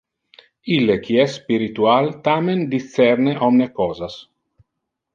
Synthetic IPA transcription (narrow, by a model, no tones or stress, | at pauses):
ilːek̟iɛsːpiɾit̪ualt̪amend̪it͡sːɛɾneʔɔmnekɔːzas